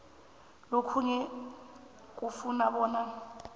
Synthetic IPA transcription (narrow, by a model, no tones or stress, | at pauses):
lokʰuɲɛ | k̬ʼufunaɓɔːna